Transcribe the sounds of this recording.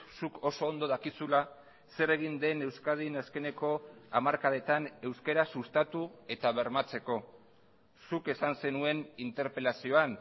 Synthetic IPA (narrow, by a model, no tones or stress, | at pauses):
sukʰo̞soːnd̪o̞ðakisula | se̞ɾe̞ɣ̞ind̪e̞ne̞wskað̞inaske̞ne̞ko̞amaɾkaðe̞t̪ane̞wskeɾasust̪at̪ue̞t̪aβ̞e̞ɾmat͡se̞ko̞ | suke̞sanse̞nue̞nint̪e̞ɾpe̞lasio̞an